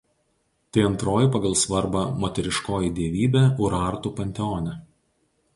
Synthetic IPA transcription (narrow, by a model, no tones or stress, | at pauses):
t̪ɐɪɐnt̪ɾoːjɪpɐɡɐlˠsʋɐɾbɐmoːt̪ʲɛɾʲɪʃkoːjid̪ʲiɛʋʲiːbʲɛːʊɾɐˑɾt̪uːˑpɐnʲt̪ʲɛɔːnʲɛ